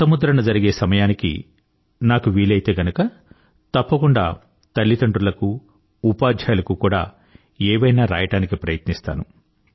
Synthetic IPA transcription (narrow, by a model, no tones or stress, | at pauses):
sɐmud̪ɾɐnɐd͡ʒɐɾiɡe̞ːsɐmɐjaːnikḭ | naːkuʋiːlɐjit̪e̞ːɡɐnukɐ | t̪ɐpːɐkuɳɖa̰ː | t̪ɐɭːit̪ɐɳʈɾulɐkuː | paːd͡ʒ̪ʱjaːlɐkukuːɽa̰ː | ɛːʋɐjnaːɾa̰ːjɐʈaːnikipɾɐjɐt̪nist̪a̰ːnu